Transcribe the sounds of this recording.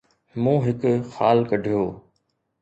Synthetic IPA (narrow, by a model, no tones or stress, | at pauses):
mũːɦɪkxaːlkəɖʱijoː